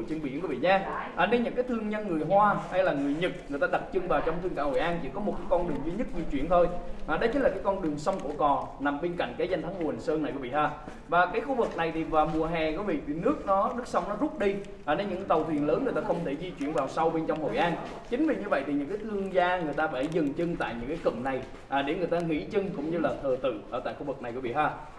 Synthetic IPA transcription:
t͡ɕə˧nɓḭ˧˩˨nku˧˦vḭ˧˨ɲaː˧ʔaː˨˩ne˧nɲɨ̰˧˥ŋkaː˨˦jt̪ʰɨ˧əŋza˧ŋŋɨ˨˩əjɦwaː˧ha˧jlaː˨˩ŋɨ˨˩əjɲɨ˨˩t̚ŋɨ˨˩əjt̪aː˧ɗa˨˩t̚t͡ɕɨ˧ŋvaː˨˩wt͡ɕɔ˧ŋ͡mt̪ʰɨ˧ŋka̰ː˧˩ho̰˨˩jʔaː˧nt͡ɕḭ˧˩kɔ˨˦m˨˩t̚kaː˨˦kɔ˧nɗɨ˨˩əŋzi˧ɲɨ˦˥t̚zi˧t͡ɕwḭ˧˨ənt̪ʰo˧jʔaː˨˩ɗə˨˦jt͡ɕi̟˨˦laː˨˩kaː˨˦jkɔ˧nɗɨ˨˩əŋsə˧wŋ͡mku˧˩əkɔ˨˩na˨˩mɓe˧nka̰˧˨jŋkaː˨˦za˧jŋ̟t̪ʰa˨˦ŋmu˨˩˨ə˨˩ŋsəː˧na˨˩jku˧˦v̰ḭ˧˨ʔ̪aː˨˩ | vaː˨˩kaː˨˦jxu˧vɨ˨˩k̚na˨˩jt̪ʰi˨˩vaː˨˩mu˨˩əɦɛ˨˩kɔ˨˦vḭ˧˨vi˨˩nɨ˦˥ək̚nɔ˨˦nɨ˦˥k̚sə˧wŋ͡mnɔ˨˦zʊ˦˥p̚ɗi˧ | ʔːne˧nɲɨ̰˧˥ŋ˦t̪ə˨˩wt̪ʰwi˨˩nləː˨˦nŋɨ˨˩ət̪aː˧xə˧wŋ͡mt̪ʰe˧˩zi˧t͡ɕwi˧˨ənvaː˨˩wsa˧wɓe˧nt͡ɕɔ˧wŋ͡mho̰˧˨jʔaː˧n | t͡ɕï˨˦ŋ̟vi˨˩ɲɨ˧və̰˧˨jt̪ʰi˨˩ɲɨ̰˧˥ŋkaː˨˦jt̪ʰɨ˧əŋzaː˧ŋɨ˨˩əjt̪aː˧faː˧˩zɨ˨˩ŋt͡ɕɨ˧ŋt̪a̰ː˧˨jɲɨ̰˧˥ŋkaː˨˦kə̰˧˨ŋna˨˩j | ʔaː˨˩ɗe˧˩ŋɨ˨˩əjt̪aː˧ŋḭ˧˥t͡ɕɨ˧ŋkʊ̰˧˥ŋ͡mɲɨ˧laː˨˩t̪ʰəː˨˩t̪ɨ̰˧˨ʔəː˧˩t̪a̰ː˧˨jxu˧˩vɨ˨˩na˨˩jkṵ˧˩ɓḭ˧˨˩haː˧˩

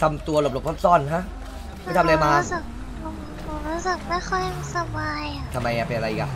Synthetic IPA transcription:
t̪ʰa˧mt̪u˧ɐlo˨˩lo˨˩p̚ʰɔ˥˩psɔ˥˩nɦa˦˥ʔ | ma˧˥˨t̪ʰa˧leː˧maː˧˦˥sɯ˨˩k̚ | pʰo˨˩m˧pʰo˨˦mɾuː˦˥sɯ˨˩k̚ma˥˩jxʰɔ˥˩jsa˧baː˧ja˨˩t̪ʰa˧mːa˧jʔa˨˩pe˧nʔa˧ɾa˧ʔi˨˩ka˨˩

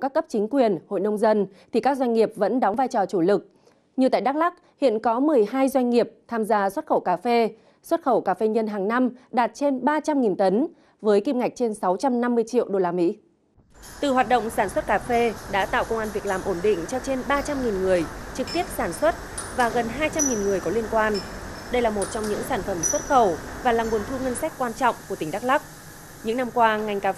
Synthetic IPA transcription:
kaː˦˥kːə˦˥p̚t͡ɕï˨˦ŋ̟kwi˨˩ənho̰˧˨jɗə˧wŋ͡mzə˧nt̪ʰi˨˩kaː˦˥k̚zwa˧jŋ̟ŋi˨˩əp̚və̰˧˥nɗɔ˨˦wŋ͡mvaː˧jt͡ɕɔ˨˩t͡ɕu˧˩lɨ˨˩k̚ | ɲɨ˨˩t̪a̰ː˧˨jɗaː˦˥k̚la˦˥k̚hḭ˧˨ənkɔ˨˦mɨ˨˩əjɦaː˧jzwa˧jŋ̟ŋi˨˩əp̚t̪ʰaː˧mzaː˧swə˦˥t̚xə˧˩wkaː˧˩fe˧ | swə˦˥t̚xə˧˩wkaː˧˩fe˧ɲə˧nɦaː˨˩ŋna˧mɗaː˨˩t̚t͡ɕe˧nɓaː˧t͡ɕa˧mŋi˨˩nt̪ə˨˦n | vəː˨˦jki˧mŋa˨˩jk̚t͡ɕe˧nsa˨˦wt͡ɕa˧mna˧mːɨ˧əjt͡ɕḭ˧˨ə˨wɗo˧laː˧mḭ˧˥ | t̪ɨ˨˩ɦwaː˨˩t̚ɗə̰˧˨wŋ͡msaː˧˩nswə˦˥t̚kaː˧˩fe˧ɗa̰ː˧˥t̪a̰ː˧˨wkə˧wŋ͡mʔaː˧nvi˨˩ək̚laː˨˩mʔo˧˩nɗḭ̈˧˨ŋ̟t͡ɕɔ˧t͡ɕe˧nɓaː˧t͡ɕa˧mŋi˨˩nŋɨ˨˩əjt͡ɕɨ˨˩k̚t̪i˦˥əp̚saː˧˩nswə˦˥t̚ | vaː˨˩ɣə˨˩nɦaː˧jt͡ɕa˧mŋi˨˩nŋɨ˨˩əjkɔ˨˦li˧ənkwaː˧nɗə˧jlaː˨˩mo˨˩t̚t͡ɕɔ˧wŋ͡mɲɨ̰˧˥ŋsaː˧˩nfə˧˩mswə˦˥t̚xə˧˩wvaː˨˩laː˨˩mŋu˨˩ənt̪ʰu˧ŋə˧nsa˦˥k̟̚kwaː˧nt͡ɕɔ̰˧˨wŋ͡mku˧˩ət̪ï˧˩ŋ̟ɗa˦˥k̚la˦˥k͡p̚ | ɲɨ̰˧˥ŋna˧mkwaː˧ŋa˨˩jŋ̟kaː˧

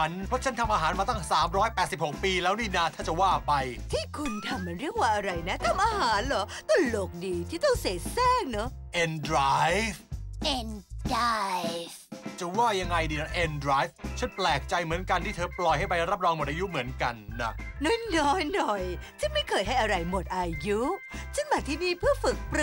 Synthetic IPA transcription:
t͡ɕʰa˦˥npʰɔ˦˥t͡ɕʰa˦˥nt̪ʰa˧mʔaː˧ɦaː˩˦nmaː˧t̪a˥˩ŋsaː˩˦mɾɔː˦˥jpɛː˨˩t̪̚si˨˩p̚ho˨˩k̚piː˧lɛː˦˥wniː˥˩na˥˩t̪ʰaː˥˩t͡ɕa˨˩waː˥˩pa˧jt̪ʰiː˥˩kʰu˧nt̪ʰa˧mːa˧˩nɾi˥˩ək̚waː˥˩ʔa˧ɾa˧jna˦˥t̪ʰa˧mʔaː˧ɦaː˨˩˦nlɔː˨˦t̪ɔ˥˩lo˨˩k̚diː˧t̪ʰiː˥˩t̪ɔ˥˩ŋse˨˩˦sɛː˥˩ŋ̚na˦˥ʔe˧ndɾaː˦jfʔe˧ndaː˦jft͡ɕa˨˩waː˥˩ja˧ŋːa˧jdiː˧na˦˥ʔe˧ndɾaː˦˥jf̚t͡ɕʰe˦˥˩nplɛː˨˩k̚t͡ɕa˧jmɯ˩˦ənka˧nt̪ʰiː˥˩t̪ʰːplɔ˨˩jha˥˩pa˧jɾa˦˥p̚ɾɔː˧ŋmo˨˩t̪̚ʔaː˧ju˦˥mɯ˩˦ənka˧nːa˦˩nɔ˨˦˥jnɔː˦˥jnɔ˨˩jt͡ɕʰa˥˩nma˥˩jkʰɤː˧˩jɦa˥˩jʔa˧ɾa˧jmo˨˩t̪̚ʔaː˧ju˦˥t͡ɕʰa˥˩nmbaː˨˩t̪ʰiː˥˩niː˥˩pʰɯ˥˩əfɯ˨˩k̚pɾ

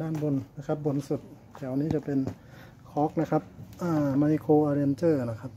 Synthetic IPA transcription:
daː˥˩˨nbo˧nna˦˥kʰa˦˥p̚bo˧nsu˨˩t̪̚ | kʰɛ˧˩˨ʔa˧niː˦˥t͡ɕa˧˩pe˧n | kʰɔː˦˥k̚na˦˥kʰa˦˥p̚ʔaː˧˩ma˧jkʰoː˧ʔaː˧ɾe˧nt͡ɕɤː˥˩na˦˥kʰa˦˥p̚

